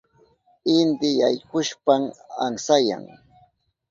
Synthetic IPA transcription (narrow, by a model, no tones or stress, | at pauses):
ɪnd̪ɪjajkʊʃpamaŋsaja̰ŋ